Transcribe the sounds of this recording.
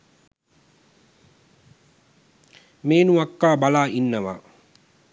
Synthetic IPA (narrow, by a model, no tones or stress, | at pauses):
meːnuakːaːbalaːʔinːəʋa̰